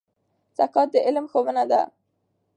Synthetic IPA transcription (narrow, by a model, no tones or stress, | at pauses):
sakɑt̪̚d̪əʔɪlmxowənad̪a̰